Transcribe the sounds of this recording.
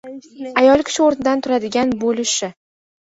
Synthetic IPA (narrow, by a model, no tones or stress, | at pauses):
ajɒlˠkʲʰɪ̥ʃɪoɾnɪd̪ant̪ʰʊɾad̪ɪɡʲanbolɪʃɪ